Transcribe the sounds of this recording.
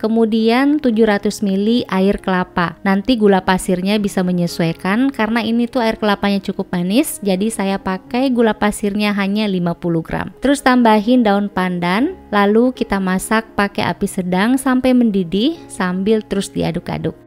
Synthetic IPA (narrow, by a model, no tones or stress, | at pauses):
kəmudiant̪ud͡ʒʊhɾat̪ʊsmiliʔaɪrkəlapanant̪iɡulapasɪrɲabisaməɲəsuakankaɾənainit̪uaɪrkəlapaɲat͡ʃukʊp̚manɪsd͡ʒadisajapakajɡulapasɪrɲaɦaɲalimapuluɡɾa̰mt̪əɾʊst̪ambaɦɪndaʊnpandanlalukit̪amasak̚pakɛ̰ʔa̰pisədaŋsampajməndidɪhsambɪlt̪əɾʊsdḭa̰dʊka̰dʊk̚